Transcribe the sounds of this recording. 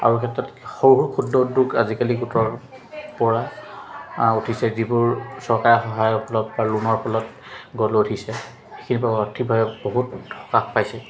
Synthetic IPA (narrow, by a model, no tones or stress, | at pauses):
a̰ɹukʰɛtɹɔtxoɦuɹkʰudːɔduɡa̰zikaliɡutɔɹ | pɔɹa | utʰisɛzibʊɹsɔɹkajxɔɦajɔpʰɔlɔpbalunɔɹpʰɔlɔt | ɡɔloutʰisɛ | xekʰinipaɔtʰibʱabɛboɦutɔ̥kakpajsɛ